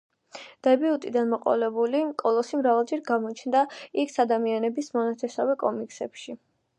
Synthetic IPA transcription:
d̪̥ɛbiut̪ʼid̪anmɔqʼɔ̰lɛbulikʼɔlˠɔsimɾavalˠd͡ʒɛɾɡamɔt͡ʃʰnd̪aikʰsad̪amianɛbismɔnat̪ʰɛsavɛkʼɔmiksɛ̰pʃi

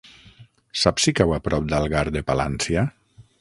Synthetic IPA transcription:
sapsikawapɾɔp̚d̪alˠɣaɾd̪epala̰nsia

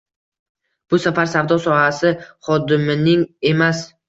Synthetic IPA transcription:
b̥ʊsafaɾsavd̪ɒsɒhasɪχɒd̪ɪmɪnɪŋe̞mas

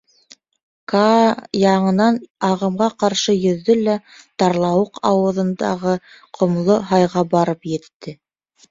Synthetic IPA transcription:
kɑjɑɴɤ̆nɑnɑʁɤ̆mʁɑqɑɾʃɤjɵ̆ðːɵlæt̪ɑɾlˠɑwɤqʰɑwɤ̆ðɤ̆nd̪ɑ̰ʁɤ | qʰŏmlˠoɦɑjʁɑbɑɾɤpjɘ̆t̪ːɘ

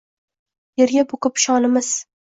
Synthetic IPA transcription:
jeɾɡʲaboqɨpʃɒnɪmɪz̥

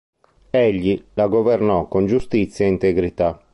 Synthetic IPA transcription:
eʎːilaɡɔvɛrnɔkːond͡ʒust̪it̪sːjɛint̪eɡɾit̪a

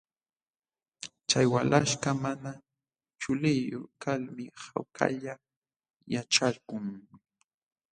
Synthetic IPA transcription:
t͡ʃajwalʔaʃkamana | t͡ʃʊlɪjoχkalmɪhawkʰa̰ʎa | jaʈ͡ʂaɾkʊŋ

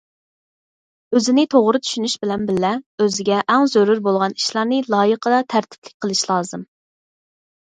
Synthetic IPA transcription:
øzɪnɪt̪ʰoʁɾɨt̪ʰy̥ʃynyʃbɪlɛnbɪlːɛøzɪɡʲɛʔɛŋzøɾuɾbolˠʁɑniʃlˠɑɾnɨlˠɑːjəqʰəd̪ɑt̪ʰæɾt̪ʰɪ̥plɪk̚ʲqʰəlˠɨʃlˠɑːzɨm

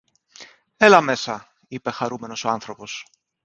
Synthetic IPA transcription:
elɐme̞sɐ | ipe̞xɐɾume̞no̞so̞ɐnθɾo̞po̞s

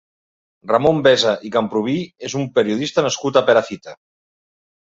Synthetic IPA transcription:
ramombɛzaʔikampɾuβ̞iezumpeɾiuðist̪anəskut̪apeɾaθit̪a

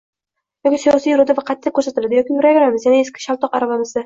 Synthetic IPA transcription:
jɒkʲisjɒsijʊɾɪd̪avaqʰɑt̪ʰːakʰːɵɾsat̪ɪlad̪ɪjɒkʲijʊɾaveɾamɪzjanaeskʲɪ̥ʃalˠt̪ʰɒqaɾavamɪzɪ

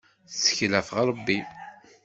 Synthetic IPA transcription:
θsə̥çlæfʁɾˤəbːi

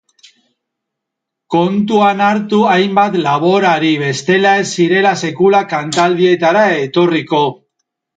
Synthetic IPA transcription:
ko̞nt̪uanaɾt̪uajmbat̪laβ̞o̞ɾaɾiβe̞st̪e̞lae̞sːiɾe̞lase̞kulakant̪ald̪ie̞t̪aɾae̞t̪o̞riko̞

